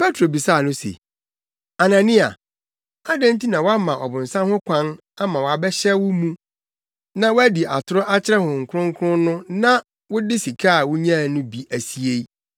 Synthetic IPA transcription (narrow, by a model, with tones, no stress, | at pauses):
pʰɛ˦tʰɾo˨bi˨sa˦˨nʊ̃˦sḛ˨ | a˨nã˨nĩ˦a̰˨ | a˦dã˦n˦ti˦nã˨wa˦mã˨ʔɔ˨bʊ̃˨n̩˨sã˦nhʊ̃˦kʷʰã˦n | a˦mã˨wɔ˨a˨bɛ˦ɕɛ˦wʊ˦mũ˦ | nã˦wæ˦di˨ʔa˨tʰʊ˦ɾʊ˦ʔa˦t͡ɕʰɪ˦ɾɛ˦hʊ̃˨ŋ̩˨kʰʊ˦ɾʊ̃˦ŋ̩˦kʰʊ˦ʊ̃˦nʊ̃˦nã˦ | wʊ˦dɪ˦si˨kʰaː˦˨wʊ˦ɲ˦ã˦˨nʊ̃˦bi˨ʔæ˨si˨e˦